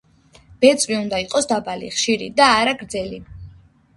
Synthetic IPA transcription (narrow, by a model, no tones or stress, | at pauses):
b̥ɛt̪sʼviund̪aiqʼɔsd̪abalḭχʃiɾḭd̪aːɾaɡɾd̪zɛli